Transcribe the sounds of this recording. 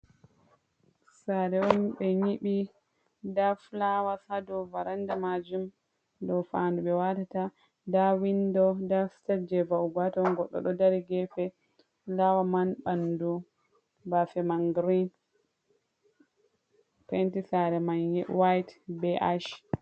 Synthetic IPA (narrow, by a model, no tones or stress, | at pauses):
saɾɛɔnɓɛɲiɓi | daflawasadɔvaɾandamad͡ʒum | dɔfanduɓɛwatata | dawindɔdaftad͡ʒɛvaubatɔnɡɔɗːɔ̰ɗɔdaɾiɡɛfɛ | lawamanɓandu | bafɛmaŋɡɾin | pɛntisaɾɛmanwajtbɛʔaʃ